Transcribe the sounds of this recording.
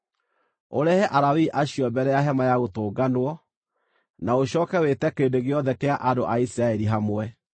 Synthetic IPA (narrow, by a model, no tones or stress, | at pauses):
o̰ɾɛhɛʔaɾawiʔaɕiɔbɛɾɛjaɦɛmajaɣotoːɡanwɔ | naoɕɔːkɛwetɛkeːndeɣeɔðɛkeaʔandoʔaisiɾaɛɾiɦamwɛ